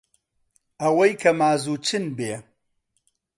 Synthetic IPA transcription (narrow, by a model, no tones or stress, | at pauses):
ɐwɐjkʰɐmaːzuːt͡ʃʰɨnbeː